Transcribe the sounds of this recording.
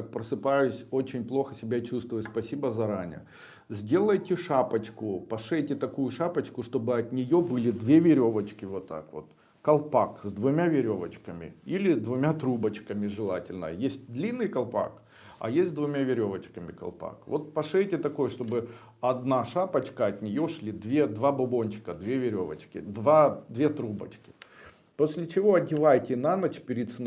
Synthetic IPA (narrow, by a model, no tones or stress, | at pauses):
k̚pɾəsɨpajʊsʲo̞t͡ɕɪnʲplˠo̞xəsʲɪbʲat͡ɕust̪vʊət̪ʲspɐsʲibəzɐɾanʲɪ̰jə̰ | zʲdʲe̞lˠəjtʲɪʂapət͡ɕkʊpɐʂɛjtʲɪt̪ɐkujʊʂapət͡ɕkʊʂt̪o̞bɨɐt̪nʲɪjo̞bɨlʲɪd̪vʲevʲɪɾʲo̞vət͡ɕkʲɪvot̪ːa̰kvo̞t̪ | kɐlˠpakzd̪vʊmʲavʲɪɾʲo̞vət͡ɕkəmʲɪ̰ilʲɪd̪vʊmʲat̪ɾubət͡ɕkəmʲɪʐɨlˠatʲɪlʲnə̰jəjesʲt̚ʲd̪lʲinːɨjkɐlˠpa̰k | ɐ̰jesʲt̪ʲzʲd̪vʊmʲavʲɪɾʲo̞vət͡ɕkəmʲɪkɐ̰lˠpa̰kvo̞t̪̚pɐʂɛjtʲɪt̪ɐko̞jʂt̪o̞bɨ | ɐd̪naʂapɐt͡ɕkəɐt̪ʲnʲɪjo̞ʂlʲid̪vʲed̪vabʊbo̞nʲt͡ɕɪ̥kəd̪vʲevʲɪɾʲo̞və̰t͡ɕkʲɪ̰d̪vad̪vʲet̪ɾubə̰t͡ɕkʲɪ̥ | po̞sʲlʲɪt͡ɕɪvo̞ɐdʲɪvajtʲɪnanɐt͡ɕpʲɪɾʲɪt̪sɨ